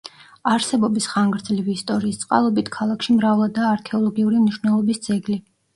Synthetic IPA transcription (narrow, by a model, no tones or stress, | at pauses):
aɾsɛbɔbisχaŋɡɾd̪zliviːst̪ʼɔɾiːst̪sʼqʼa̰lˠɔbit̪ʰkʰalˠakʃimɾavlˠad̪aːɾkʰɛɔlˠɔɡiuɾimniʃwnɛlˠɔbisd̪z̥ɛɡli